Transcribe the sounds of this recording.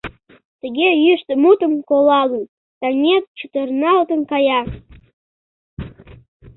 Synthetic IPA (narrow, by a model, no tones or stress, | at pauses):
t̪əɣejyʃt̪əmut̪əmkolɑlən | t̪ɑnʲet̪̚t͡ʃut̪ərnɑlt̪ənkɑjɑ